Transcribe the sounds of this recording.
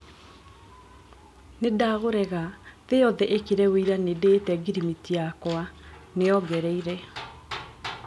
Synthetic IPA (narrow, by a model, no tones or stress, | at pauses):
nedaɣoɾɛɣaðejɔðɛʔekeɾɛweiɾanedeːtɛɡiɾimitijakwaneɔɡɛɾɛiɾɛ